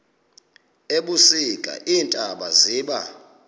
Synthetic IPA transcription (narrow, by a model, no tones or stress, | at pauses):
eɓusikʼa̰ʔiːntʼaɓaziːɓa